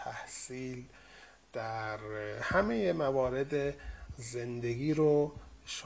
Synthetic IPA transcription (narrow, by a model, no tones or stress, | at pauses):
æhsiːl | d̪̥æɾhæmejemævɒːɾe̞d̪ezend̪eɡʲiːɾoʃ